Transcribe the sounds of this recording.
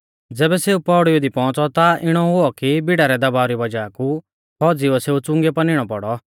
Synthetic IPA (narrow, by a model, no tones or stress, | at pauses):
d͡zɛːbɛseːupɔɽied̪ipɔ̃ːt͡sɔt̪aɪɽ̃ɔɦʊɔkibɪɽaɾɛd̪ɐbaːɔɾibɐd͡ʒaku | kʰɔːd͡ziɔseːut͡sʊ̃ŋɡɛpɐnɪɽ̃ɔpɔɽɔ